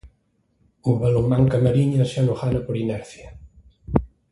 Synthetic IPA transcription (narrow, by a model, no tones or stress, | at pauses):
umbalumːaŋkamaɾiɲasanoxanɐpoɾinɛɾθja